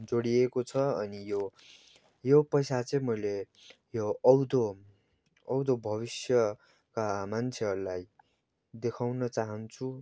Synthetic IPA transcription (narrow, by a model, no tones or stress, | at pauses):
d͡zoɽiekot͡sʰʌʌnijo | jopʌjsat͡sʌj̃mʌjle | joʌwd̪o | ʌwd̪obʱʌβisjʌ | kamant͡sʰeʌrlaj | d̪ekʰawnʌt͡saɦʌnt͡sʰu